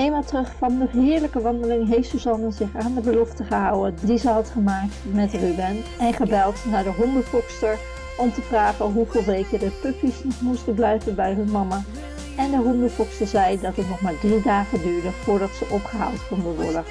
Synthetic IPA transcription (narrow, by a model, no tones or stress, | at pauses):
ejmaːtərɵχfɑndəɦɪːɹləkəʋɑndəlɪŋɦejftsozɑnəzɪχaːndəbəlɔftəχəɦʌwəndizəɦɑtχəmaːk̚tmɛtrybɛnɛnχəbɛlˠtnaːɹdəɦɔndəfɔkstəɹ | ɔmtəvraːχənɦuveːlˠʋejkədəpɵpjəsnɔχmustənblɛjvənbɛjɦənmɑma | ɛndəɦɔndəfɔkstəɹzɛjdɑtətnɔχmaːɹdridaːχədyːɹdəv̥ʊːɹdɑtsəʔɔpχəɦa̰ːlˠtkɔndənʋɔ̰ɹdə